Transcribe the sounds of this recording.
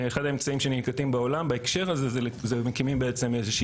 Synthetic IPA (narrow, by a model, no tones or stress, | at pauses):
eχad̪aemt͡saimʃenilkat̪imbaolambaekʃe̞ʁazezelzemekimimbeet͡se̞mezeʃi